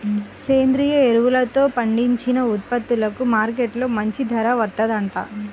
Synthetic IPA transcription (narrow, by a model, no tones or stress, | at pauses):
keːnd̪ɾiːjɐeɾuʋulɐt̪o̞ːpɐɳɖiɲt͡ʃinɐut̪̚pɐt̪ːulɐkumaːɾkeʈlo̞ːmɐɲt͡ʃid̪ʱɐɾɐʋɐt̪ːɐd̪ɐɳʈa̰ː